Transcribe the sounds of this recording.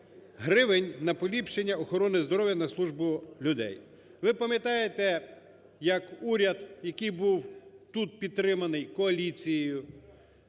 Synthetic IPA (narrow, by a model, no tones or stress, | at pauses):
ɦɾɪʋenʲnɐpɔlʲipʃt͡ʃe̞nʲːɐɔxɔɾɔnɪzd̪ɔɾɔʋjɐnɐslˠuʒbʊlʲʊd̪ɛ̰j | ʋɪpɐmʲjɐt̪ɑjet̪ɛ | jɐkuɾʲɐd̪jɐkɪjbuwt̪ut̪̚pʲid̪̚t̪ːɾɪmɐnɪjkɔɐlʲit͡sʲijjʊ